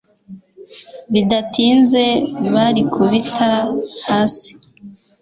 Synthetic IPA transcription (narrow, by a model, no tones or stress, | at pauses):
βidatʰiːnze̞βaɾikʰuβitʰahaːsi̥